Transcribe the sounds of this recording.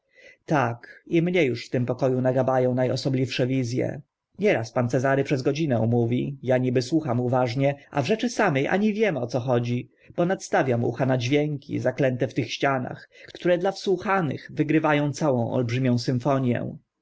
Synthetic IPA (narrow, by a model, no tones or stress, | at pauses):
t̪akimɲɛjuʂft̪ɘmpɔkɔjunaɡabajɔ̃w̃najɔsɔblʲifʂɛvʲizʲjɛ̰ | ɲɛɾaspant̪sɛzaɾɘpʂɛzɡɔd͡ʑinɛw̃muvʲijaɲibɘswuxamuvaʐɲɛʔa̰vʐɛt͡ʂɘsamɛjʔa̰ɲivʲjɛmɔt̪sɔxɔd͡ʑi | b̥ɔnat̪st̪avʲjamṵxanad͡ʑvʲjɛŋkʲʰḭzaklɛnt̪ɛft̪ɘxɕt͡ɕana̰xkt̪t̪uɾɛd̪lafswuxanɘ̰ɣvɘɡɾɘvajɔ̃w̃t̪sawɔ̃w̃ɔ̰lbʐɘmʲjɔ̃w̃sɘɱfɔɲjɛ̰̃